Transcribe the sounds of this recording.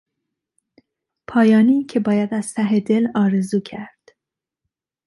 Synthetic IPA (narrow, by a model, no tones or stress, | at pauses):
pʰɒːjɒːniːcʰe̞bɒːjæd̪æz̥t̪ʰæɦed̪e̞lɒːɾezuːcʰæɾd̪̥